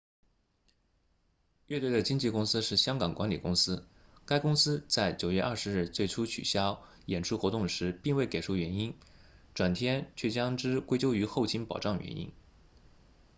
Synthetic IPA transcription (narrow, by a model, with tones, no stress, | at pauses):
ɥɛ˥˧t̪we˥˩ɪd̪ə˩t͡ɕi˥ŋt͡ɕi˥˩kʊ˥ŋsɹ̩˥ʂɻ̩˥˩ɕjɑ˥ŋkɑ˨˩ŋkwa˧˥nli˨˩kʊ˥ŋsɹ̩˥ | ka˥ɪkʊ˥ŋsɹ̩˥t͡sa˥˩ɪt͡ɕjo˨˩ʊɥɛ˥˧ʔɐ̰˥˩ʂɻ̩˧˥ɻɻ̩˥˧˩t͡swe˥˩ɪʈ͡ʂʰu˥t͡ɕʰy̰˨˩ɕjɑ˥ʊ | jɛ˨˩nʈ͡ʂʰu˥˩xwɔ˧˥t̪ʊ˥˩ŋʂɻ̩˧˥pi˥˧ŋwe˥˩ɪke˨˩ɪʂʰu˥˩ɥɛ˧˥ni˥nʈ͡ʂwa˨˩nt̪ʰjɛ˥nt͡ɕʰɥɛ˥˩t͡ɕjɑ˥ŋʈ͡ʂɻ̩˥kwe˥ɪt͡ɕjo˥ʊy˧˥xo˥˩ʊt͡ɕʰi˥npɑ˨˩ʊʈ͡ʂɑ˥˩ŋɥɛ̰˧˥nḭ˥n